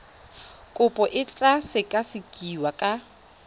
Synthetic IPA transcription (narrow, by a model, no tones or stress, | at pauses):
kʼʊpʼɔʔɪt͡ɬʼasɪkʼasɪkʼiwakʼa